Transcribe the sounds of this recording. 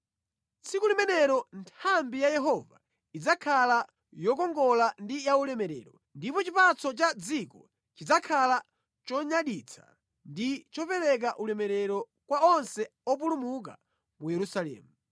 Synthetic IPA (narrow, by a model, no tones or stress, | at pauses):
t͡sikulimɛnɛɾɔntʰambijajɛɦɔva̰ | id͡zakʰala | jɔkɔŋɡɔlandijaulɛmɛɾɛ̰ɾɔ | ndipɔt͡ʃipat͡sɔt͡ʃad͡zikɔ | t͡ʃid͡zakʰala | t͡ʃɔɲaɗit͡sʰḁ̰ | ndit͡ʃɔpɛɾɛk̬aʔulɛmɛɾɛɾɔ | kwaɔnsɛ | ɔp̬ulumuk̬a̰ | mujɛɾusalɛ̰ːmu